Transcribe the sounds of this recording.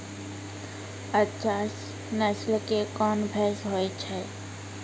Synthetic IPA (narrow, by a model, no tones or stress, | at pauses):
ətːʃʰas | nəslkekɔːnbʱɛːsɦoːet͡ʃʰɛː